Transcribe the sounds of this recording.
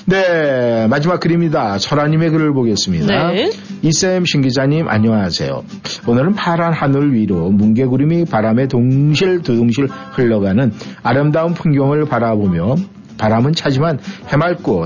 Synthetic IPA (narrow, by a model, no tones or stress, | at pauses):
ne̞mad͡ʑimak̚k͈ɯɾimɲidat͡ɕʰʌɾaɲime̞kɯɾɯɭboɡe̞s͈ɯmɲidais͈emɕʰiŋɡid͡ʑaɲimʔa̰ɲʌŋasʰe̞̰jo̰ | onɯɾɯnpʰaɾanɦanɯɭɥiɾomunɡe̞ɡuɾimipaɾame̞toŋɕʰiɭtudoŋɕʰiɭhɯɭːʌɡanɯnaɾɯmdaɯnpʰuŋɡjʌŋɯɭpaɾabomjʌ | paɾamɯnt͡ɕʰad͡ʑimanhe̞maɭk͈o